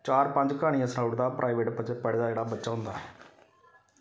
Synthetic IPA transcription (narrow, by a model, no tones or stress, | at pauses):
t͡ʃaːɾpə̃ɲd͡ʒkaːɽ̃iːãːsnaʊʈd̪aːpɾʔaːiʋeːʈpət͡ʃpəɽd̪aːd͡ʒeːɽaːbətːʃaːɦʊ̃nd̪aːɦɛː